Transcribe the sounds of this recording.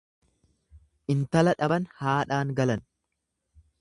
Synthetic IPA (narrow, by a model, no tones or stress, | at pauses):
ʔɪnt̪ɐlɐᶑɐbɐnhaːᶑaːŋɡɐlɐn